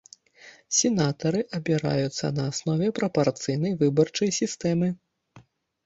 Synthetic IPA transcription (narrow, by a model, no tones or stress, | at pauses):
sʲɛnat̪ɐɾɨʔɐbʲiɾa̰jut̪sːɐ̰nɐːsnɔvʲɛpɾɐpart̪sɨjnɐjvɨbɐrt͡ʂɐjsʲist̪ɛmɨ